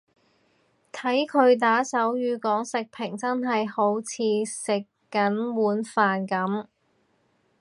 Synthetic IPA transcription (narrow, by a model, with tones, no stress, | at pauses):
t̪ʰɐ˨˥jkʰɵ˨˧ɥt̪̬aː˨˥sɐ˨˥wjyː˨˧kɔː˨˥ŋsɪ˨k̚pʰɪ˨˩ŋt͡sɐ˥nɦɐ˨jho˨˧˥wt͡sʰiː˨˧sɪ˨kː | ɐ˨˥nwuː˨˥nfaː˨nkɐ˨˥m